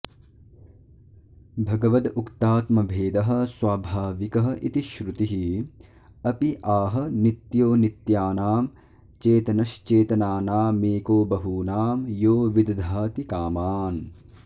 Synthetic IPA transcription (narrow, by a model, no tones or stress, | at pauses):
bʱɐɡɐʋɐd̪ukt̪aːt̪mɐbʱeːd̪ɐɦɐ̆swaːbʱaːʋikɐɦɐ̆ʔit̪iʃɾut̪iɦi | ɐpiʔaːɦɐ̆nit̪joːnit̪jaːnaːm | t͡ʃeːt̪ɐnɐʃt͡ʃeːt̪ɐnaːnaːmeːkoːbɐɦuːnaːmjoːʋid̪ɐd̪ʱaːt̪ikaːmaːn